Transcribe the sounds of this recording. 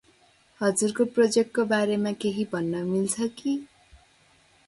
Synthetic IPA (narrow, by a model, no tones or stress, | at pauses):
hʌd͡zurkoprʌd͡zek̚ʈkːobaɾemakeɦibʱʌnːʌmilt͡sʰʌki